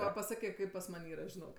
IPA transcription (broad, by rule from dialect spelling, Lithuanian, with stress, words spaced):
ˈʋɐ pɐˈsɑːkʲeː ˈkɐɪp pɐs ˈmɐnʲ ˈiːrɐ ʒʲɪˈnoːk